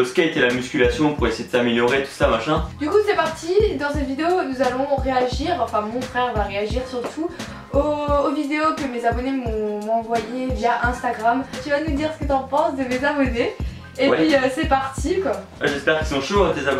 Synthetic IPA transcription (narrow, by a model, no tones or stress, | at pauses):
sə̥kaet̪elamyskʲylasjɔ̃puʁesejed̪əsameljɔʁet̪u̥samaʃɛ̃d̪ykusɛpaʁt̪id̪ɑ̃sɛt̪vid̪eonuzalɔ̃ʁeaʒiʁɑ̃fɛ̃mɔ̃fχɛʁvaʁeaʒiʁsyʁt̪u | oːvid̪eokəmezabɔnemɔ̃m̃ɑ̃vwajevjaʔɛ̃st̪aɡʁamt̪yvanud̪iʁsə̥kət̪ɑ̃pɑ̃sd̪əmezabɔneː | wɛpɥiøsɛpaʁt̪ʰikwawɛʒɛspɛʁkʲisɔ̃ʃot̪ezab